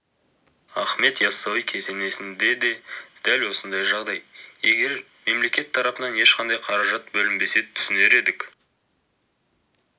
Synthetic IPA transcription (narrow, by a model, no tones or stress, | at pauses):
ɑχme̞t̪jɑsɑwijkʲʰe̞ze̞ne̞sɪnd̪e̞d̪e̞d̪̥ælwo̞sənd̪ɑjʒɑʁd̪ɑjje̞ɡʲe̞ɾ | me̞mle̞kʲe̞t̪ʰːɑɾɑpənɑne̞ʃqɑnd̪ɑjqʰɑɾɑʒɑt̪bɵlɪmbe̞se̞ɪt̪ʰʏ̥sɪne̞ɾe̞d̪ɪk